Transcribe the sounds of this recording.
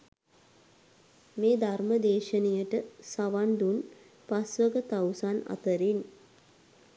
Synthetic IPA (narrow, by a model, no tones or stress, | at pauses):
meːd̪ʱarməd̪eːʃənejəʈəsaʋaɳɖun | pasʋəɡət̪awsana̰t̪əɾin